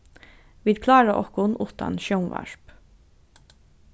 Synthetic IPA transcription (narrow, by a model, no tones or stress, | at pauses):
ʋiːd̪̚kʰlɑːɾaʔɔ̰hkʊnʔuːt̪a̰nʃoʊnʋæ̰ɹp